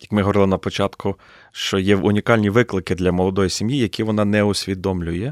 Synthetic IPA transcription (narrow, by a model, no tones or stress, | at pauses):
jɐkmɪɦɔʋɔɾɪlˠɪnɐpɔt͡ʃɑt̪kʰʊ | ʃt͡ʃɔjɛʊnʲikɑlʲnʲiʋɪklˠɪkɪd̪lʲɐmɔlˠɔd̪ɔjisʲimjijɐkʲiʋɔnɑnɛʊsʲʋʲid̪ɔmlʲʊjɛ